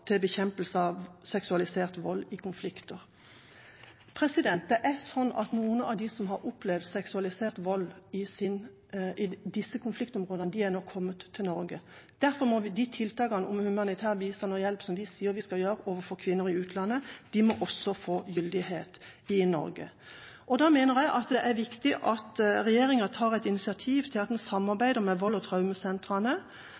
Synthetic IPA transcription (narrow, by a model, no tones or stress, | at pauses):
t̪ʰɪlbəçɛmpəlsəɑʋsɛksʉɑlɪseːʁt̪ʋɔlːɪkʰʊnflɪkt̪əʁ | pʰʁɛsɪd̪ɛnt̪̚d̪ɛʔæsɔnːɑ̰t̪nuːənɑ̰ʋd̪ɪsɔmɦɑɾʊplɛʋd̪sɛksʉɑlɪseːʁt̪ʋɔlːɪsɪn | ʔɪd̪ɪsːəkʰʊnflɪkt̪ɔmʁoːd̪əɑnəd̪ɪænɔkʰːɔmːət̪ʰːɪlnɔɾɡəd̪̥æɾfɔɾmɔʋɪd̪ɪt̪ʰɪlt̪ʰɑːkɑnəʊmhʉmɑnɪt̪ʰæːʁʋiːst̪ɑnɔjɛlpsɔmʋɪsiːəɾʋɪskɑljøːɾəɔːʋəfɔkʰʋɪnːʊɾɪʉːt̪ʰlɑnːəd̪̥ɪmɔʔɔsːɔfoːjʏld̪ɪheːt̪ɪnɔ̰ɾɡə̰ | ʔɔd̪ɑmeːnəʁjæɪʔɑt̪d̪ɛʔæɾʋɪkt̪ɪʔɑt̪ʁɛjeːɾɪŋɑt̪ʰɑːʁɛɪt̪ɪnɪsɪɑt̪ʰiːʋt̪ʰɪlɑt̪ɛnsɑmːɑʁbæɪd̪əmɛʋɔlːɔt̪ʰɾɑʉməsɛnt̪ʁɑnə